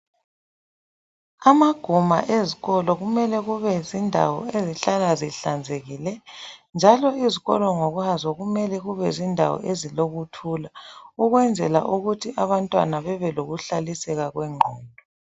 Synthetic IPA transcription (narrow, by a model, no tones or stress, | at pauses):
amaɡ̥ʱuma̰ʔeziɣɔlɔɣumɛlɛɣuβɛzindʱa̰wɔ̰eziɬalaziɬand͡zʱeɣilɛnd͡ʒʱalɔiziɣɔ̰lɔŋoɣuhazɔɣumɛlɛɣuβɛzindʱa̰wɔ̰ʔeziloɣutʰulauɣwɛnd͡zʱɛla̰ʔuɣutʰiʔaβantʼwa̰naβɛβɛloɣuɬalisɛɣaɣwɛŋ͡ǃʱɔːndʱɔ